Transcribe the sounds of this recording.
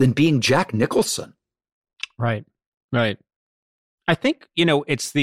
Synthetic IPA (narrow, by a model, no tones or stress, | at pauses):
ðɨ̃nbiɪ̃ŋd͡ʒæknɪkl̩ˠsə̰̃n | ɹaɪt̚ | ɹaɪt̚ | aɪθɪ̃ŋkjɨnoʊʔɪtsðɨ